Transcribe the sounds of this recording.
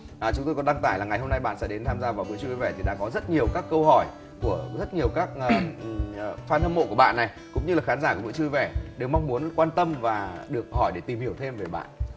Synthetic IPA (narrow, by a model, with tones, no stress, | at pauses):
ʔaː˨˩t͡ɕʊ˨˦ŋ͡mt̪o˧jkɔ˨˦ɗa˧ŋt̪aː˧˩jlaː˨˩ŋa˨˩jɦo˧mna˧jɓa̰ː˧˨nsɛ̰˧˥ɗe˨˦nt̪ʰaː˧mzaː˧vaː˨˩wkṵ˧˥t͡ɕɨ˧vɛ˧˩t̪ʰi˨˩ɗa̰ː˧˥kɔ˨˦zə˦˥t̚ɲi˨˩əwkaː˦˥kːə˧wɦɔ˧˩j | ku˧˩əzə˦˥t̚ɲi˨˩əwkaː˦˥k̚ː | faː˧nt̪ʰə˧mo̰˧˨ku˧˩əɓa̰ː˧˨nːa˨˩j | kʊ̰˧˥ŋ͡mɲɨ˧laː˨˩xaː˨˦nzaː˧˩ku˧˩vṵ˧˥˦t͡ɕɨ˧vɛ˧˩ɗe˨˩wma˧wŋ͡mmu˨˦ənkwaː˧nt̪ə˧mvaː˨˩ɗɨ˨˩ək̚hɔ˧˩jɗe˧˩t̪i˨˩mhi˧˩əwt̪ʰe˧mve˨˩ɓa̰ː˧˨nʔ